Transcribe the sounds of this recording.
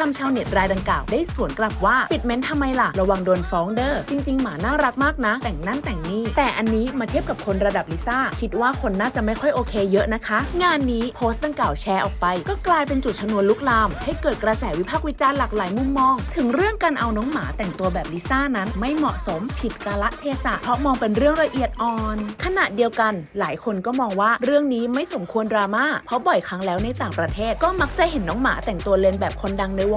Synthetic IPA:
a˧mt͡ɕʰaː˧wni˨˩t̪̚ɾaː˧jda˨˧ŋklaː˨˩wdaː˥˩jsu˨˩˦ənkla˨˩p̚waː˥˩pi˨˩t̪̚me˦˥nt̪ʰa˧mːa˧jla˨˩ɾa˧wa˧ŋdoː˧nfɔː˨˦˥ŋdɤː˧˩t͡ɕi˧ŋt͡ɕi˧ŋmaː˩˦naː˥˩ɾa˦˥k̚maː˥˩k̚na˦˥t̪ɛː˨˩ŋna˥˩nt̪ɛː˨˩ŋniː˥˩t̪ɛː˨˩ʔa˧nːiː˦˥maː˧i˥˩əp̚ka˨˩kʰo˧nɾa˧da˨˩p̚li˦˥saː˥˩kʰi˦˥t̪̚waː˥˩kʰo˧nːaː˥˩t͡ɕa˨˩ma˥˩jkʰɔ˥˩jʔoː˧kʰeː˧jɤ˦˥ʔna˦˥kʰa˦˥ŋaː˧nːiː˦˥pʰoː˦˥st̪̚da˧ŋklaː˨˩wt͡ɕʰɛː˧ʔɔː˨˩k̚pa˧jkɔː˥˩klaː˧jpe˧nt͡ɕu˨˩t̪̚t͡ɕʰmnu˧ənlu˦˥k̚laː˧mha˥˩jkɤː˨˩t̪̚kɾa˧sɛː˩˦wi˦˥pʰaː˥˩k̚wi˦˥t͡ɕaː˧nlaː˨˩k̚laː˨˩˦jmu˧˩mːɔː˧ŋt̪ʰɯ˩˦ŋɾɯ˥˩əŋkaː˧nʔa˧wnɔː˦˥ŋmaː˩˦t̪ɛ˨˩ŋt̪u˧ɐbɛː˨˩p̚li˦˥saː˥˩na˦˥nma˥˩jmɔ˨˩ʔso˩˦mpʰi˨˩t̪̚kaː˧la˦˥ʔt̪ʰeː˧sa˨˩ʔpʰɾɔ˦˥mɔː˧ŋpe˧nɾɯ˥˩əŋɾa˧ʔi˨˩ət̪̚ʔɔː˨˩nkʰa˧na˨˩ʔdi˧əwka˧nlaː˩˦jkʰo˧nkɔː˥˩mɔː˧ŋwaː˥˩ɾɯ˥˩əŋniː˦˥ma˥˩jso˩˦mkʰu˧əndɾaː˧maː˥˩pʰɾɔ˦˥bɔ˨˩jkʰa˧˦˥ŋlɛː˦˥wna˧jt̪aː˨˩ŋpɾa˧t̪ʰeː˥˩t̪̚kɔː˥˩ma˦˥k̚t͡ɕa˨˩he˩˦nːɔː˦˥ŋma̰ː˩˦t̪ɛ˨˩ŋt̪u˧ɐle˧nbɛː˨˩p̚kʰo˧nda˧ŋna˧jw

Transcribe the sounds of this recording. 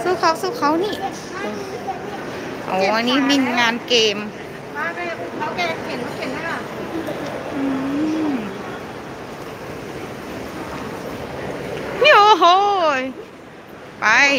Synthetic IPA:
sɯː˧˩kʰa˧˥˩wsuː˧˩kʰa˧˥˨wniː˧˥˩ | ʔa̰˧˩wa˧nːiː˦˥˩mi˧nŋaː˧nkeː˧m | a˧˥ka˧˩˧a˧˥˩kɛː˧˩e˨˦na˧˥pʰe˧˦na˧˥˩ka˧˩ | ʔɯː˧ | o˧ɦo˧j | pa˧j

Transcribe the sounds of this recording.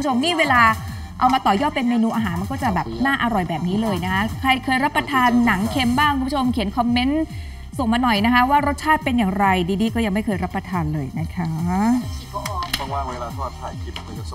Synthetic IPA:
u˧˦u˥o˧mniː˥˩weː˧laː˧ | ʔa˧wmaː˧t̪ɔː˨˩jɔː˥˩t̪pe˧nmeː˧nuː˧ʔaː˧ɦaː˩˦nma˧nk̬ɔː˥˩t͡ɕa˨˩bɛː˨˩p̚naː˥˩ʔa˧ɾɔ˨˩jbɛː˨˩p̚niː˦˥lɤː˧jna˦˥kʰa˦˥kʰɾa˧jkʰɤː˧jɾa˦˥pːɾa˧t̪ʰaː˧nːa˩˦ŋkʰe˧mbaː˥˩ŋkʰu˧mbu˥o˧mkʰi˩˦nkʰɔ˧mːe˦˥n | so˨˩ŋmaː˧nɔ˨˩jna˦˥kʰa˦˥waː˥˩ɾo˦˥t̪̚t͡ɕʰaː˥˩t̪̚pe˧njaː˨˩ŋɾa˧jdiː˧diː˧kɔː˥˩ja˧ŋma˥˩jkʰɤː˧jɾa˦˥pːɾa˧t̪ʰaː˧nlɤː˧jna˦˥kʰa˦˥˧

